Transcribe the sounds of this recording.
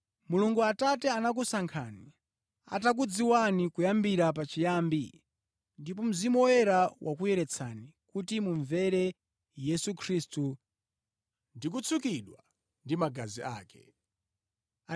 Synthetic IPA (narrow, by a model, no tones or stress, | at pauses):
muluŋɡuatatɛanak̬usaŋkʰani | a̰tak̬ud͡ziwanikujambiɾap̬at͡ʃijaːmbḭ | ndipɔm̩zimɔjɛɾawʔakujɛɾɛt͡sʰanikutimuɱvɛɾɛ | jɛsukʰɾiːstu | ndik̬ut͡sʰukiɗwa | ndimaɡazia̰ːkɛ̰